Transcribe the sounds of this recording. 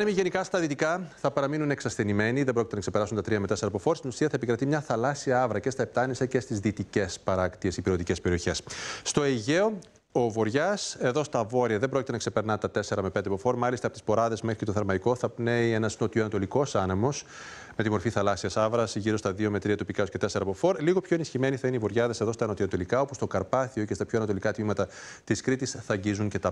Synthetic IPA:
ɐnemiʝe̞nikɐst̪ɐðit̪ikɐθɐpɐɾɐminuneksɐsθe̞nime̞niðembɾo̞cit̪nɐkse̞peɾɐsunt̪ɐt̪ɾiɐmet̪e̞se̞ɾɐpo̞fo̞ɾst̪inusiɐθɐe̞pikɾɐt̪imɲɐθɐlɐsiɐɐvɾɐce̞st̪ɐep̚t̪ɐnisɐce̞st̪izðit̪ice̞spɐɾɐkt̪ie̞sipiɾot̪ice̞speɾio̞çe̞sːt̪o̞eʝeo̞ | ovo̞ɾʝɐse̞ðo̞st̪ɐvo̞ɾiɐðembɾo̞cʲit̪enɐkse̞pe̞ɾnɐt̪ɐt̪e̞se̞ɾɐme̞pe̞nd̪epofo̞ɾmɐlist̪ɐpot̪i̥spo̞ɾɐðe̞zmexɾice̞t̪oθɐɾmɐikoθɐpne̞ienɐsnot̪ioɐnɐt̪o̞liko̞sɐnemo̞s | me̞t̪imo̞ɾfiθɐlɐsiɐsɐvɾɐsiʝiɾo̞st̪ɐðio̞me̞t̪ɾiɐt̪upikɐosce̞t̪e̞se̞ɾɐpo̞fo̞ɾliɣo̞pço̞enisçime̞niθɐineivo̞ɾʝɐðese̞ðo̞st̪ɐːnɐt̪iɐt̪o̞likɐo̞pust̪o̞kɐɾpɐθioce̞st̪ɐpçoɐnɐt̪olikɐt̪mimɐt̪ɐ | t̪iskɾit̪isθɐɲɟizuɲce̞t̪ɐ

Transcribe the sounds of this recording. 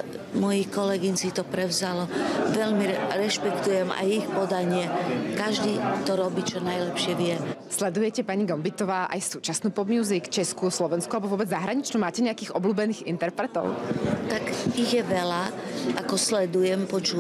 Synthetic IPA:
mɔjikɔlɛɡiɲsit̪ɔpɾɛʊzalɔʋɛʎmiɾɛʃpɛkt̪ujɛma̰jixpɔd̪aɲɪɛkaʒd̪iːt̪ɔɾɔbiːt͡ʃɔnajlɛpʃɪɛʋɪɛslɛd̪ujɛcɛpaɲiɡɔmbit̪ɔʋaːʔa̰jsuːt͡ʃasnuːpɔd̪muːzikt͡ʃɛskuslɔʋɛnskualɛbɔʋɔbɛd͡zzaɦɾaɲit͡ʃnuːmaːcɛɲɛakiːɣʔɔbluːbɛniːɣḭnt̪ɛɾpɾɛt̪ɔ̰ʊt̪akiɣjɛʋɛlaʔakɔslɛd̪ujɛmpɔt͡ʃuː

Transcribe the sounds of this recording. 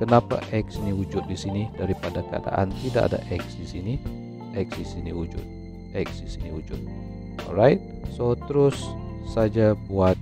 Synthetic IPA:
kənapa̰ʔɛk̚sinihud͡ʒʊt̪̚disinidaɾipadakəa̰da̰ʔa̰nt̪idaʔa̰da̰ʔɛk̚sdisini | ʔɛk̚sdisiniwud͡ʒʊ̰t̪̚ | ɛk̚sdisinihud͡ʒʊt̪̚ | ɔlɾajt̪̚sot̪əɾʊsːad͡ʒabuat̪̚

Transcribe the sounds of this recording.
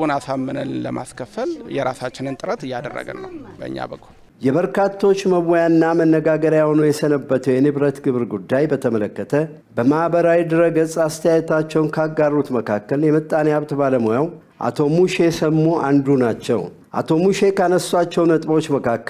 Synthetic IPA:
onasamːənənlə̰ma̰skʰəfəljɛɾasat͡ʃːɪnɨnt̪ʼɨɾət̪ɨjad̪ə̰rːə̰ɡə̰nːəwbə̰ɨ̰ɲːa̰bəkʰːul | jɛβəɾkʰat̪ʰːo̞t͡ʃːməβojanːamənːəɡaɡəɾjahonujɛsənəbːət̪ʰəwjɛnɨβɾət̪ɡɨβɾɡud̪ːajbət̪ʰəmələkːət̪ʰə | bəmahbəɾawid̪əɾəɡəsʼast̪ʰəjajɛt̪ʰat͡ʃːɛwnkʰaɡarːut̪məkʰakːəljɛmət̪ʼːaneaβt̪baləmojaw | ʔa̰t̪ʰo̞muʃe̞səmːuʔand̪unat͡ʃːɛ̰w | ʔa̰t̪ʰo̞muʃe̞kʰanəsːat͡ʃːɛwnət̪ʼbot͡ʃːməkʰakːə

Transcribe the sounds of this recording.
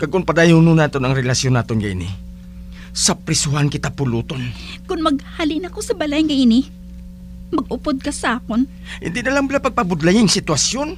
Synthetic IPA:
kɐɡkʊnpɐd̪ajʊnunaːt̪onɐŋɾɛlɐsjonaːt̪onɡɐʔɪ̰nɪ̰ | sɐpɾɪsʊhankɪt̪apʊluːt̪on | kʊnmɐɡ̚halɪnɐkosɐbɐlajŋɡɐʔɪnɪ | mɐɡ̚ʔʊpod̪̚kɐsɐʔaːkon | hɪ̰nd̪ɪnɐlaŋbɪlapɐɡ̚pɐbʊd̪lajɪŋsɪt̪wɐsjon

